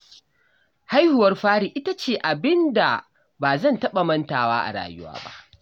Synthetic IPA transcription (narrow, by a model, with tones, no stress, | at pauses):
ha˦jhʊ˨wɐ˦rɸaː˦ɽiː˨ʔɪ˦ta˦t͡ʃeː˨ʔa˨bɪ˦nda̰˨ | baː˨zɐ˦˨ntɐ˦ɓɐ˨mɐ˦ntaː˨wa̰ː˦ʔa̰˨ɽa̰ː˨jʊ̰˦wa̰ː˦ba̰˦ʔ